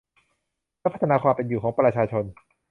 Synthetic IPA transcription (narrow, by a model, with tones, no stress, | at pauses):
lɛː˥pʰa˦t̪ʰːa˧naː˧kʰwaː˧mpe˧njuː˨˩kʰɔː˩˦ŋpɾa˧t͡ɕʰaː˧t͡ɕʰo˧n